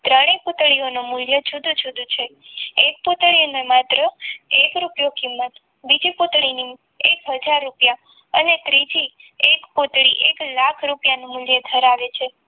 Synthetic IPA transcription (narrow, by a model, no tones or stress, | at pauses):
t̪ɾəɽ̃eput̪ɭionomʊljət͡ʃʰud̪ʱũt͡ʃʰud̪ʱũt͡ʃʰeek̚put̪ɭionemat̪ɾəekɾupjokimːət̪ | bid͡ʒipot̪ɭini | ekɦəd͡ʒaɾːupja | ənet̪ɾid͡ʒiekpot̪ɭiʔeklakʰɾupjanomʊljed̪ʱəɾaʋet͡ʃʰe